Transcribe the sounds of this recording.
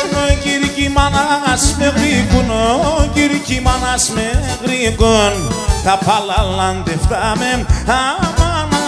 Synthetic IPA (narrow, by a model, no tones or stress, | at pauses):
nokiɾikimanaasmekɾikunokiɾikimanasme | kɾikont̪apalaland̪eft̪amenhamana